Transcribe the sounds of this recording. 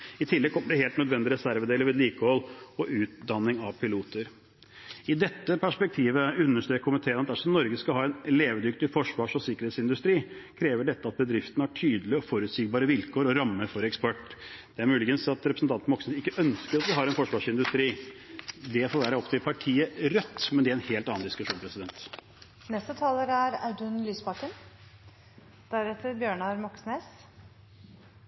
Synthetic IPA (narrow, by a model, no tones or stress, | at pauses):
ɪt̪ʰɪlːɛɡ̚kʰɔməɖɛheːlt̪nœd̪ʋɛnd̪ɪɾɛsæɾʋəd̪eːləɾʋeːd̪liːkəhɔlɔʔʉːt̪̚d̪ɑnːɪŋɑʋpʰɪluːt̪ʰəɾ | ɪd̪ɛt̪ːəpʰæʂpɛk̚t̪ʰiːʋəʉnːəʂʈøːkkʰːʊmɪt̪ʰeːnɑt̪d̪æɾʂɔmnɔɾɡəskɑlɦɑːɛnleːʋəd̪ʏkt̪ɪfɔʂʋɑːʂɔsɪkːəɾeːt̪sɪnd̪ʉst̪ɾiːkʰɾeːʋəɖɛt̪ːəɑt̪̚bəd̪ɾɪft̪nəæʈʰyːd̪əlɪəɔfɔɾʉt̪siːɡ̚bɑːɾəʋɪlkʰoːɾɔɾɑmːəfɔɾɛkspɔʈːd̪̥ɛæɾmʉːlɪɡənsɑt̪ɾɛpɾəsn̩t̪ʰɑnt̪mɔksnesɪkːəʔœnskəɾɑt̪̚d̪ɛɦɑːɾɛnfɔʂʋɑːʂɪnd̪ʉst̪ɾiː | d̪ɛfoːɾʋæːɾəɔpt̪ʰɪlpʰɑʈʰiːəɾœt̪ːmɛnd̪ɛæɛnheːlt̪ɑːɑnd̪ɪskʉʂuːnpʰɾɛsɪd̪ɛnt̪ | nɛst̪ət̪ʰɑːləɾæɾɑ̰d̪ʉnlyːsbɑkən | d̪̥æɾɛt̪ːəɾbjøːɳɑɾmɔksneːs